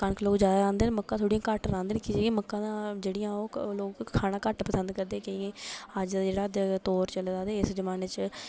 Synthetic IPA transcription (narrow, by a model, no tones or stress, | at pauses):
kənkloːkd͡ʒaːd̪aɾãːnd̪eːnməkːãːt̪ʰoːɽijãːkəʈɾãːnd̪eːnekɪeːɡiãːməkːãːd̪ãːd͡ʒeːɽɪjãːoːloːkkʰːaːnãːkəʈpəsə̃nd̪̚kəɾd̪eːkəiẽːəd͡ʒd͡ʒeːɽaːd̪t̪oːɾt͡ʃəlːd̪aːd̪eːɪsd͡ʒəmaːneːt͡ʃ